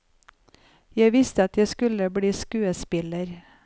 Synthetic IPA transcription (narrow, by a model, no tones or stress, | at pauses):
jæɪʋɪst̪əɑt̪jæɪskʉləbɽiːskʉːəspɪləɾ